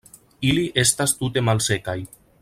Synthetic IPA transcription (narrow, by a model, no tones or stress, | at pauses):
iliʔest̪ast̪ut̪emalsekaj